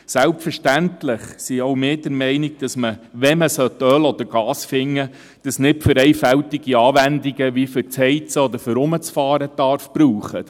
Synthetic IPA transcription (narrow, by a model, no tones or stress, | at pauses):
sælpfəɾʃtæntlɪχsiowmeːd̥əɾmɛɪnɪɡ̚d̥ɑsməʋɛməsœt̪œlɔd̪̥əɾɡ̥ɑːsfɪŋːə | d̥ɑsnɪtfɾɛɪfæwtiɡ̥iɑːʋændiɡəʋifʏɾt͡shɛɪt͡səɔd̪əɾfʏɾʊmət͡sfɑːɾədɑɾfb̥ɾuːχə